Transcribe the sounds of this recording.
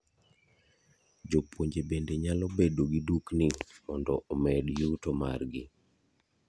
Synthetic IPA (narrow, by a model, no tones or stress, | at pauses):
d͡ʒopʰwoɲd͡ʒebendeɲalɔbedoɡiduknimɔndɔʔomɛdjutoma̰rɡɪ